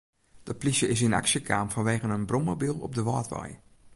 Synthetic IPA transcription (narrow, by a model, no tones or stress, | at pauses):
d̥əplisjəɪs̬ina̰ksjəkʰaːmfɔnʋeːɣənənbroməbilˠɔ̰p̚dəʋɔːtʋɔ̰j